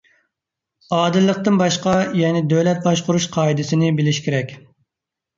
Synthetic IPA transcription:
ɑːd̪ɨlˠːəq̚t̪ɨnbɑʃqɑjɛnɪd̪ølɛt̪̚bɑʃqʊɾuʃqʰɑːid̪ɪsɪnɪbɪlɪʃkʲeɾɛkʲ

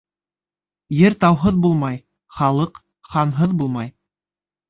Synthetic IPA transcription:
jɘɾt̪ɑwɦɤðbulˠmɑj | χɑlˠɤq | χɑnɦɤðbulˠmɑj

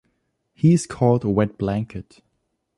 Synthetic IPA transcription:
hiɪz̥kʰɔlˠdəwɛd̚b̥læ̃ŋkʰɨt

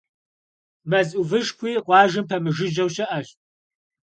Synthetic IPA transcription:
mɐzʼuvɨʂkʷiːqʷɑːʒɨmpʰɐmɨʒɨd͡ʒɐwʃɐʔɐɕʼ

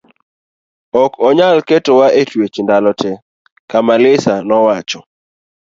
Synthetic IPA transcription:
ɔkɔɲalketowaetwet͡ʃndalɔtʰɛ | kamalɪsanɔwat͡ʃɔ

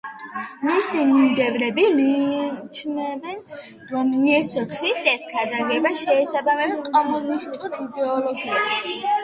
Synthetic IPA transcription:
misimimd̪ɛvɾɛbimiːt͡ʃʰnɛvɛn | ɾɔmiɛsɔkʰɾist̪ʼɛskʰad̪aɡɛbaʃɛːsabamɛbɛkʼɔmunist̪ʼuɾid̪ɛɔlɔɡiɛʃi

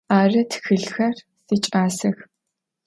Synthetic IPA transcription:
arɐt̪ʰxɨɮxɐr | sit͡ʃʼaːsɨx

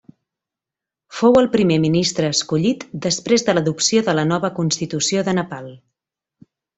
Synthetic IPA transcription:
fowəlˠpɾimeminist̪ɾəːskuʎit̪d̪əspɾezðələðupsioðələnɔβəkunst̪it̪usioðənəpalˠ

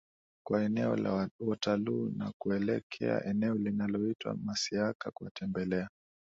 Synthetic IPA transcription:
kwaɛnɛɔ̰lawataluːna̰kuɛlɛkʰɛ̰a̰ʔɛnɛɔlinalɔitwa̰masiakakuwatɛmbɛlɛa

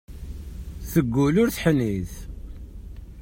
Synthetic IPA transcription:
θəɡːʊlʊɾθħniθ

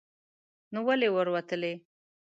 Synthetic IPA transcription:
nuwalewəɾwat̪əle

